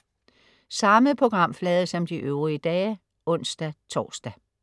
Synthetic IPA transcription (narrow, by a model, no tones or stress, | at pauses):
sɑ̈məpʰo̝ɡ̥ʁɑ̈m̰flɛːð̞ˠəsɒ̽md̥iʔøʊʁiəd̥ɛ̰ː | ɔ̽n̰sd̥æt͡sʰɒ̰ːsd̥æ